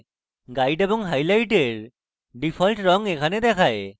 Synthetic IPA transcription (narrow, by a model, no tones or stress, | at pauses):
ɡajɖebɔŋɦajlajʈeɹ | ɖipʰɔlʈɹɔŋekʰaned̪ɛkʰaj